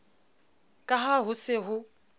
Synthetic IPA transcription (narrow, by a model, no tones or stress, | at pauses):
kʼaɦaɦʊsɪɦʊ